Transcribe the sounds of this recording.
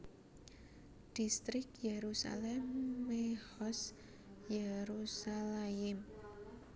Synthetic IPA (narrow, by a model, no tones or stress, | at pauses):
d̥ist̪ɾɪk̚jeɾusa̰lɛmːehɔs | jeɾusalaɪm